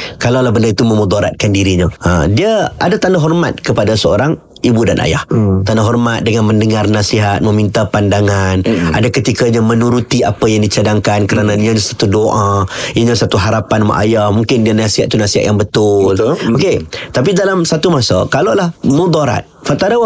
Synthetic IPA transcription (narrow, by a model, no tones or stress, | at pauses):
kalawlahbəndaɾit̪umə̃mud̪ɔɾa̰t̪̚kandiɾiɲaə̰diəʔa̰dat̪anaɦɔrma̰t̪̚kəpadasəo̰ɾaŋ | ibudanʔa̰ja̰ht̪anaɦɔrmat̪̚dəŋanməndəŋarnasiɦat̪̚mə̃mint̪apandaŋana̰dakət̪ikaɲamənuɾut̪iapajaŋdit͡ʃadaŋkankəɾanaiɲəɲasat̪udoʔaiɲasat̪uɦaɾapanma̰ʔa̰jahmuŋkɪndianasiɦat̪̚ːunasiɦa̰t̪jaŋbət̪ʊloket̪apidalamsat̪umasa̰kalawlahmud̪aɾa̰t̪̚fat̪ada